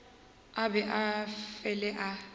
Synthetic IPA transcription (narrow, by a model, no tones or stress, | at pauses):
abɛʔafɛlɛʔa